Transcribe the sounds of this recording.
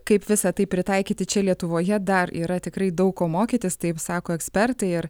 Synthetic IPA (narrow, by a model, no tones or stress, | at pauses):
kɐɪpʋʲɪsɐt̪ɐɪpʲɾʲɪt̪ɑɪkʲiːt̪ʲɪt͡ʃʲɛlʲiɛt̪ʊʋoːjɛd̪ɐɾḭːɾɐt̪ʲɪkɾɐɪd̪ɐʊkkoːmoːkʲit̪ʲɪst̪ɐɪpsɑːkoːɛksʲpʲɛrt̪ɐɪɪɾ